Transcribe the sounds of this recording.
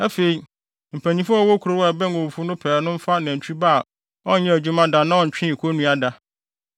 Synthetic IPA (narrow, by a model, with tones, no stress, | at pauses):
æ˦fe˨i˨ | m̩˨pʰæ̃˨ɲĩ˦fʊ˦ɔ˦wɔ˦kʰu˨ɾo˨˦wbɛ̃˦ŋ˦˨õ˨fu˦nʊ̃˦pʰɛː˨˦nʊ̃˦m̩˦fa˦nã˨n̩˨t͡ɕʰᶣi˦baː˦˨ | ɔ˦n̩˦ɲɛ̃˦æ˨d͡ʑᶣu˦mã˦dã˨nã˦ɔ̃˨t͡ɕᶣɪ̃˦˨kʰo˦nũ˦a˨da˨